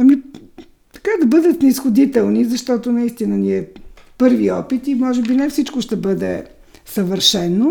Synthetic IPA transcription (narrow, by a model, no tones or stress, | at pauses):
ɐmi | t̪ɐ̥kad̪ɐbɤd̪ət̪nɛisxʊd̪it̪ɛlˠnizɐʃt̪ɔt̪onɐist̪inəniɛpɤɾviɔpit̪imɔʒɛbinɛfsit͡ʃkoʃt̪ɛbɤd̪ɛ̰ | sɐvəɾʃɛnːo